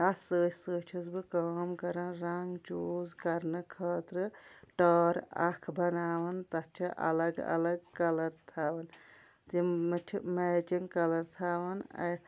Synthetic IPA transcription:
ɐsəːt͡ʃʰsəːt͡ʃʰisbɨkaːmkɐɾɐnɾaŋɡt͡ʃuːzkɐɾnɨkʰɐːt̪ɾɨʈəːɾa̰kʰbɐnaːʋɐnt̪ɐt͡ʃʰiʔɐ̰ləɡɐ̰lɐɡkːɐlɐɾt̪ʰaːʋɐn | t̪imɨʈʰimet͡ʃiŋkɐlɐɾt̪ʰaːʋɐnɐ̰

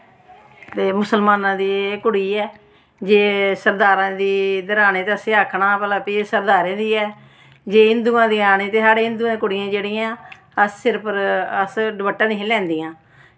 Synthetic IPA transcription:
t̪eːmʊsəlmaːnãːd̪iːkʊɽiːɛː | d͡ʒeːsəɾd̪aːɾãːd̪iːd̪əɾaːneːt̪eəseaːkʰɳaːpəlãːpiːsəɾd̪aːɾẽːd̪iːɛː | d͡ʒeːɦɪnd̪uːãːd̪iːaːneːt̪eːsaːɽeːɦɪ̃nd̪uːãːd̪eːkʊɽɪijãːd͡ʒeːɽiːãː | əssɪɾpəɾəsɖbəʈːãːd̪iːɦelɛ̃ːnd̪ijãː

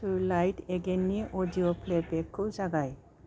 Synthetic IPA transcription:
uɾlajʈeɡenːiʔodiopʰlebekʰːowd͡ʒaɡaj

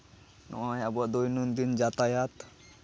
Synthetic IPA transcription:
nʔɔ̰ajabɔd̪ojnund̪ind͡ʒat̪ajat̪

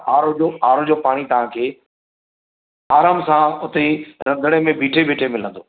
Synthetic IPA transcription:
aːɾod͡ʑoaːɾod͡ʑoːpaːɽ̃it̪ɐʋ̤ãkʰeː | aːɾaːmsãʊt̪eɾɐ̃nd̪ʱəɽ̃emẽbiːʈʰebeːʈʰemɪlə̰̃nd̪oː

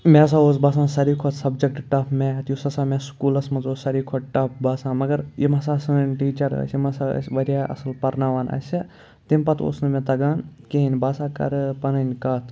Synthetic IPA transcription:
mɛ̃s̬aːoːs̬baːsãːsɐɾiːkʰɔt̪sɐbd͡ʒɐk̚ʈʈɐpʰmẽt̪jusɐsaːmeskuːlɐsmɐnzoːsɐɾiːkʰoʈʈɐpbaːsãːmɐɡɐɾjimɐsaːsɨʈiːt͡ʃɐɾɐ̰simɐsa̰sʋɐɾjaːɐ̰sɨlpɐɾnaːʋaːnɐ̰sʲi | t̪impɐt̪ʰo̰ːsnɨmɛ̃t̪ɐɡaːnkeɦinʲbaːsaːkɐ̰ɾɨpɐnɐnʲkɐːt̪ʰ

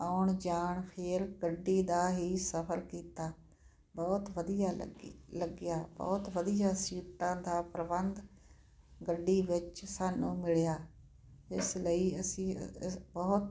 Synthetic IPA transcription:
aːʊɳd͡ʒaːɳpʰeːɾɡəɖːiːd̪aːɦiːsəpʰəɾkiːt̪aː | bɔːt̪ʋəd̪ijaːləɡɪjaːbɔ̰ːt̪ʋəd̪ijaːsiːʈãːd̪aːpɾəbənd̪ | ɡəɖːiːʋɪt͡ʃsaːnũːmɪɭjaː | ɪsləiːəsĩːbəːt̪

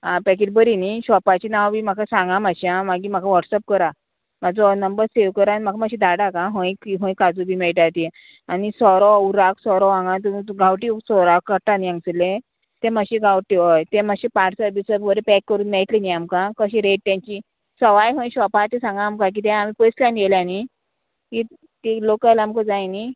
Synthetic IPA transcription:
ɦãpɛk̬eʈ̚bəɾiniɕɔpat͡ɕinãwbʱiːmakʰasãŋɡamaɕjãmaɡim̤akʰaʋɔʈsəp̚kəɾa | mad͡zɔnəmbəɾseʋkəɾanmakʰamaɕĩd̪aɽakãɦə̃jkiɦõj̃kad͡zubʱiːmɛɭʈat̪i | anisɔɾɔuɾaksɔɾɔãŋɡãt̪̬umiɡʱawʈisɔɾakːəʈaniãŋɡslẽ | t̪ẽməɕiɡʱawʈiʋəjt̪ẽmaɕipaʈʰsəɾbisəbʋəɾepɛkːəɾuːnmɛɭt̪liniamkãkəɕĩɾeʈ̚t̪ãɲt͡ɕi | səʋajɦõj̃ɕʋɔpat̪esãŋɡãːmkãk̬iːt̪ɛ̃amipəsljãneljani | ki | t̪ilokəlamkəd͡zajni

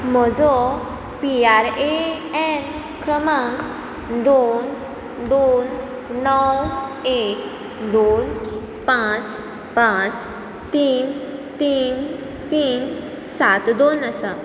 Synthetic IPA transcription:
m̤ɔd͡zɔ | piaɾe | ɛn | kɾəməŋɡ | d̪on | d̪onː | ɔwek | d̪on | pãt͡s | pãt͡s | t̪iːnt̪iːn | t̪iːn | sat̪d̪onəsə

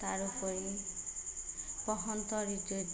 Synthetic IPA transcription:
t̪aɾukɔi | pɔɦɔnt̪ɔɾit̪od̪

